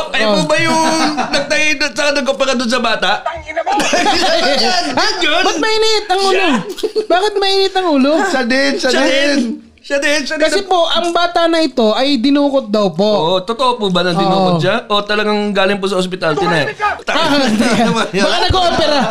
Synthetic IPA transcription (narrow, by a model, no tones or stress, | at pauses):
ʔɐjakʊbɐjʊŋnɐɡ̚t̪ɐɪd̪t͡ʃɐkɐnɐɡʔoːpɛɾɐd̪onsɐbaːt̪ɐʔ̪ | obɐt̪̚mɐhɪnɪʔɪt̪ɐŋʔuːlobaːkɪt̪̚mɐʔɪnɪt̪ɐŋʔuːloʃad̪ɛnʃaɛɛn | ʃad̪ɛnʃɐkɐsɛpo̞ʔɐŋbaːt̪ɐnɐɪt̪o̞ʔɐjd̪ɪnuːkot̪̚d̪ɐwpoʔoʔot̪ot̪oʔopʊbɐnɐɪonuːoʃaʔot̪ɐlɐɡaŋɡaːlɪŋpʊsɐospɪt̪ɐlɪnɐɐaɦat̪ːɐbɐkɐnɐɡʔoːpɛɾɐ